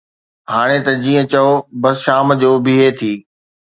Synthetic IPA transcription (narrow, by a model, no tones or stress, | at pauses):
ɦaːɽ̃et̪ɐd͡ʑiːə̃t͡ɕɐobɐsʃaːmd͡ʑoːbɪɦet̪ʰiː